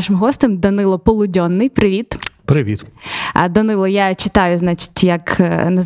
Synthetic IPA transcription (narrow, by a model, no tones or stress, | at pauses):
ʃɪmɦɔst̪ɪmd̪ɔnɪlˠɔpɔlˠʊdʲɔnːɪjpɾɪʋʲit̪pɾɪʋʲit̪d̪ɔnɪlˠɔjat͡ʃɪt̪ɑjʊznɑt͡ʃɪ̥tʲjɐknɐz